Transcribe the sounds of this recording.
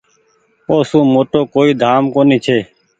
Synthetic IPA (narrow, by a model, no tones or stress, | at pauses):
oːsũːmoːʈoːkoːiːd̪ʱaːmkoːniːt͡ʃʰeː